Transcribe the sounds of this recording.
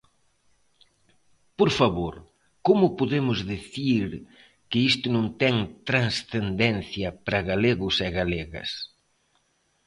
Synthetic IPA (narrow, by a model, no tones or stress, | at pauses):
poɾfaβoɾ | komʊpoðemʊzðeθiɾ | kɪist̪ʊnõŋt̪ɛŋt̪ɾansθend̪ɛn̟θjɐpɾɐɣaleɣʊsɛɣaleɣɐ̰s